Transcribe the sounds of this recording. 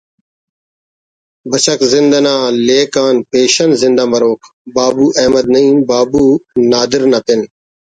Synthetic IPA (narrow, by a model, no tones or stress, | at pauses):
bət͡ʃəkzɪnd̪anãːleːkaːnpeːʃənzɪ̃nd̪aːməɾoːkʰ | baːbuːʔɛːməd̪̚nəĩːbaːbuːnaːd̪ɪɾnapɪn